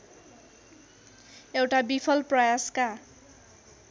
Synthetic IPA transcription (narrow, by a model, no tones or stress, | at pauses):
ewʈabipʰʌlprʌjaska